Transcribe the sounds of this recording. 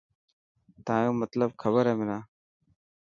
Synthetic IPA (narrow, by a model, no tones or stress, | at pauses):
t̪ãːjõːmət̪ləb̚kʰəbəɾẽːmɪnãː